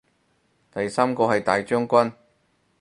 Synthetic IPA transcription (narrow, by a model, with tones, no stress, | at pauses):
t̪ɐ˨jsaː˥mkɔː˧hɐ˨jt̪aː˨jt͡ʃœː˥ŋkʷɐ˥n